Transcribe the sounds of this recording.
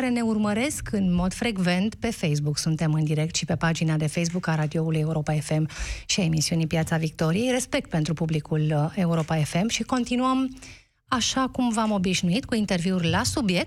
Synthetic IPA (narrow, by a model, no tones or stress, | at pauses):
aɾe̞ne̞urməɾe̞skɨnmo̞d̪fɾe̞ɡve̞nt̪pe̞fejs̬buksunt̪e̞mɨnd̪iɾe̞k̚t̪ʃipe̞pad͡ʒinad̪e̞fejs̬bukaɾad̪io̞uluje̞uɾo̞pae̞fe̞mʃiae̞misiunipjat̪savik̚t̪o̞ɾije̞jre̞spe̞k̚t̪̚pe̞nt̪ɾupublikule̞uɾo̞pae̞fe̞mʃiko̞nt̪inuəm | aʃakumvamo̞biʒnuit̪kuint̪e̞rviurʲlasubje̞k̪̚